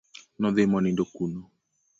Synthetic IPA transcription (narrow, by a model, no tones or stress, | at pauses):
nɔðemɔnindokunɔ